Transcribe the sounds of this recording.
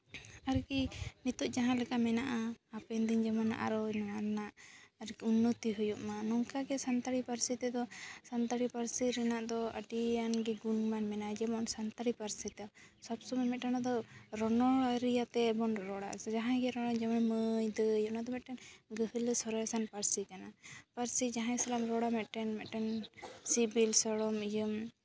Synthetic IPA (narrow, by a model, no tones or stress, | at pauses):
aɾkinit̪ɔʔd͡ʒaɦãlɛkamɛnaʔaːpɛnd̪ind͡ʒamana̰ʔa̰ɾɔjmɛnaɾɛnaʔaɾkiunːɔt̪iɦujuʔmanɔŋkaɡɛsant̪aɽipaɾsit̪ɛd̪ɔsant̪aɽipaɾsiɾɛnaʔd̪ɔə̰ʈianɡɛɡunmanmɛnaʔd͡ʒɛmɔnsant̪aɽipaɾsit̪ɛɔsɔbsɔmɛmɛt̪̚ʈanad̪ɔɾɔnɔaɾijat̪ɛbɔnɾɔɽa̰ʔd͡ʒaɦãɡɛɾɔɽɔd͡ʒɛmaməjd̪əjɔnad̪ɔmɛt̪̚ʈɛnɡəɦələsɔɾɔjsanpaɾsikanapaɾsid͡ʒaɦãsalamɾɔɽamɛt̪̚ʈɛnmɛt̪̚ʈɛnsibilsɔɽɔmid͡ʒəm